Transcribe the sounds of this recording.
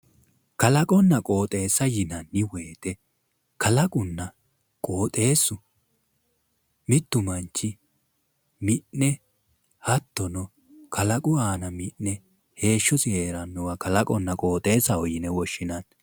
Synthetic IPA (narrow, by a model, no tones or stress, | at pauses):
kɐlɐkʼɔnːɐkʼo̞ːt̪ʼe̞ːsɐjɪnɐnːɪwe̞ːt̪ɛ | kɐlɐkʼʊnːɐ | kʼo̞ːt̪ʼe̞ːsːʊ | mɪt̪ːʊmɐnt͡ʃːɪ | mɪʔːɛ | hɐt̪ːɔnɔ | kʰɐlɐkʼʊaːnɐmɪʔnɛ | he̞ːʃːɔsɪheːɾɐnːɔwɐkɐlɐkʼɔnːɐkʼo̞ːt̪ʼe̞ːsɐɔjɪnɛwɔʃːɪnɐn